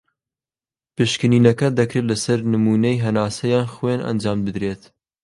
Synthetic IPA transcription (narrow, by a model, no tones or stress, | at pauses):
pɨʃkɨniːnɐkɐd̪ɐkɾet̪lɐsɐɾnɨmuːnɐjɦɐnaːsɐjɑːnxwenʔɐ̰nd͡ʒɑːmbɨd̪ɾeːt̪